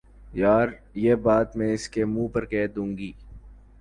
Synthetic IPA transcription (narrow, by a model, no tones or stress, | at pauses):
jaːɾ | jeːbaːt̪mẽːɪskemũːpɐɾkɛːd̪ũːŋɡiː